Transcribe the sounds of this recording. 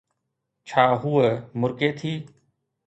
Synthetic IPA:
t͡ʃʰaːɦʊemʊɾkeːt̪ʰiː

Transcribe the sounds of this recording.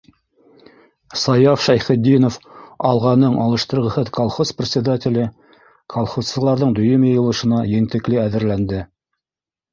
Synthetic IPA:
sɑjɑfʃæjχɘ̆d̪ːinofɑlˠʁɑnɤɴʔɑlˠɤ̆ʃt̪ɤ̆ɾʁɤ̆hɤðkolˠχosprʲɪt̪sʲɪd̪atʲɪlʲɘ | kʰolˠχosːɤ̆lˠɑɾðɤɴd̪ɵ̆jɵmjɤ̆jɤ̆lˠɤ̆ʃɤ̆nɑjɘ̆nt̪ɘ̆klɘæðɘ̆ɾlænd̪ɘ

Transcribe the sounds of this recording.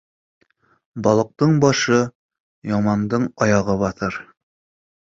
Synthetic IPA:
bɒlˠɤ̆q̚t̪ɤɴbɒʃɤ | jɒmɑnd̪ɤɴɒjɑʁɤbɒθɤɾ

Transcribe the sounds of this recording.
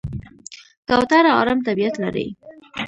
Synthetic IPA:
kawt̪aɾaɑ̰ɾamt̪abijat̪laɾḭ

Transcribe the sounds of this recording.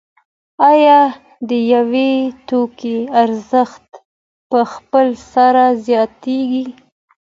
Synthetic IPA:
ɑjɑ | d̪əjawet̪okeaɾzəxt̪ | pəxpəlsaɾazjɑt̪eɡi

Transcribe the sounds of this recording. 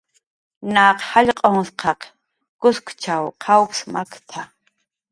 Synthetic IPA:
naːqhaʎʲqʼɔŋsqʰaqʰ | ɡ̥ʊskʷʰt͡ʃʰawqʰawkʰsmakʰt̪ʰa

